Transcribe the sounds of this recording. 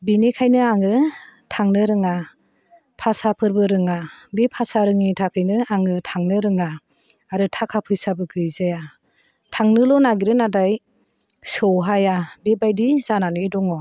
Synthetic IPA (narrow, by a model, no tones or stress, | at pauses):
binekʰajnɯaŋɯtʰaŋnɯɾɯŋa | pʰasapʰɯɾbɯɾɯŋabepʰasaɾɯŋitʰakʰɯjnɯaŋɯtʰaŋnɯɾɯŋaː | ɾɯtʰakʰapʰɯjsabɯɡɯjzaja | tʰaŋnɯlɔnaɡiɾɯnadaj | sɔwɦajabebajdizananɯjdɔŋɔ